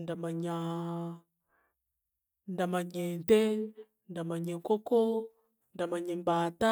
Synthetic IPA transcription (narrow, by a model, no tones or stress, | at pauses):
ndamaɲa | ndamaɲente | ndamaɲekoko | ndamaɲembata